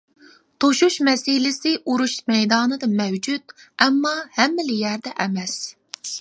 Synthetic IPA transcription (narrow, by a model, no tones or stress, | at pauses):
t̪ʰoʃuʃmɛsɪlɪsɪʔuɾuʃmɛjd̪ɑːnɨd̪ɨmɛwd͡ʒut̪ɛmːɑhɛmːɪlɪjæɾd̪ɛʔɛmɛs